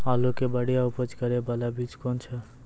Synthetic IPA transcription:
alokebəɽijaupət͡ʃkəɾebəlabit͡ʃkɔnt͡ʃʰə

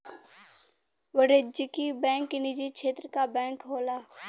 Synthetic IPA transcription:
ʋəɽed͡ʒɪkibɛ̃ːŋkinɪd͡ʒikʃʰeːt̪ɾəkabɛ̃ːŋkɦoːlaː

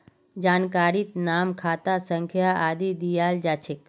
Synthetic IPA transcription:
d͡ʒaːnkaːɾit̪naːmkʰaːt̪asə̃ŋkʰjaʔaːd̪id̪ijaːld͡ʒaːt͡ʃʰɪk

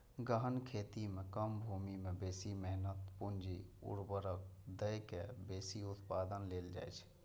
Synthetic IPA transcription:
ɡəɦənkʰeːt̪imekəmbʱumimebeːsimɛɦnət̪pʊnd͡ʒiʊ̰ɽbəɾək̚d̪əjkebeːsiʊt̪paːd̪ənleːld͡ʒa̰ːjt͡ʃʰ

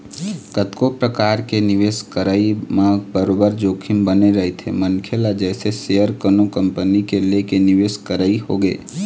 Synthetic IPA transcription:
kət̪kopɾəkaːɾkenɪʋeːskəɾəimãbəɾoːbəɾd͡ʒoːkʰɪmbəneɾəɦet̪ʰḛmənkʰelad͡ʒɛːsesejəɾkənokə̃mpənikelekenɪʋeːskəɾəihoɡḛː

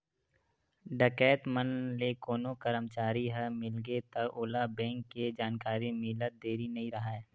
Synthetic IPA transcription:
ɖəkɛːt̪mənlekoːnokəɾəmt͡ʃaːɾiɦɛmɪlɡet̪ɐoːlabɛ̃ːŋkːed͡ʒaːnkaːɾimɪlət̪̚d̪eːɾinɐɦĩɾɐɦaɛː

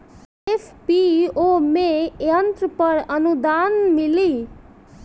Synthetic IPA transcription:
epʰpiomejʌnt̪ɾəpʌɾʌnud̪anmili

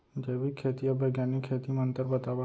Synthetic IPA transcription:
d͡ʒeʋikʰːet̪iəbəɡjanikʰet̪imənt̪əɾbət̪aʋa

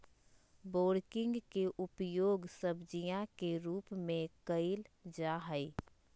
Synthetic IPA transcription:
boːɾkɪ̃ŋɡkeʔʊpjoːɡsəbd͡ʒijãkeɾuːpmẽkəɪld͡ʒaːɦəi

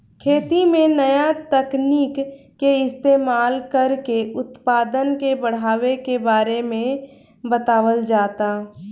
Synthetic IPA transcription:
kʰeːt̪imẽnəjat̪əkniːkː | eɪst̪eːmaːlkəɾkeʊt̪paːd̪ənkebəɽ̤aːʋekebaːɾemẽ | bət̪aːʋəld͡ʒaːt̪aː

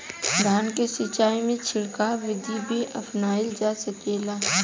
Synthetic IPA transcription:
d̪ʱaːnkesɪt͡ʃaːimẽt͡ʃʰɪɽkaʋɪd̪ʱibʱiʔɐpʰnaːɪld͡ʒaːsəkeːlaː

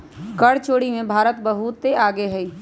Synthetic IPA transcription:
kəɽt͡ʃoːɽimẽbʱaːɾət̪bəɦut̪ːeaːɡeɦɛiː

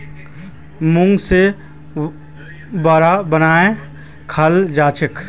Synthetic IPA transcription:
mʊ̃ŋɡse | baːɾabənaːẽ | kʰəld͡ʒaːt͡ʃɪk

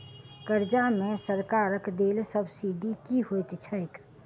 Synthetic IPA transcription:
kəɾd͡ʒamẽsəɾkaːɾəkd̪eːlsəbsiɖikiɦojt̪t͡ʃʰəek

